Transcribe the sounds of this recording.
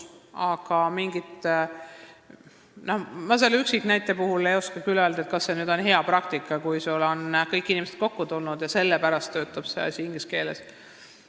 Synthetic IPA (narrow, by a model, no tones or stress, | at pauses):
ɑɡ̥ɑmiŋɡit̪ˑ | nohmɑs̬e̞lːyksikːnæjt̪ːˑe̞puhulejo̞skɑkyløld̪ɑet̪kɑsːe̞nyːd̪̥o̞nɦe̞ɑpɾɑk̚t̪ikːˑɑkujsulo̞nkɤjkːˑinimesed̪̚ko̞kːut̪ulnud̪̥jɑse̞lːepæɾɑst̪ːø̞ːt̪ːˑɑb̥sḛɑ̰sʲiŋɡ̥iske̞ːles